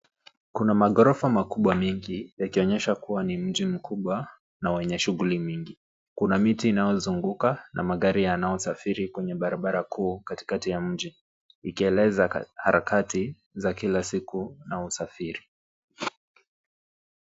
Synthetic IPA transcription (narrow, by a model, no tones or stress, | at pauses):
kunamaɣɔɾɔfamakuɓwamɛŋɡijakiɔɲɛʃakuwanim̩ʄim̩kʰuɓwa | nawɛɲɛʃuɣulimiŋɡi | kunamitiːnajɔzuŋɡukanʔa̰maɠaɾijanajɔsafiɾikwɛɲɛɓaɾaɓaɾakʰuːkati̥katijam̩ʄiː | kiɛlɛzahaɾakati | zakilasikunausafiɾi